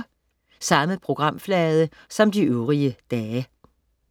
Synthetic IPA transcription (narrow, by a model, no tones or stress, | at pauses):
sɑ̈məpʰʁo̝ɡ̥ʁɑ̈m̰flɛːð̞ˠə | sɒ̽md̥iʔøʊʁiəd̥ɛː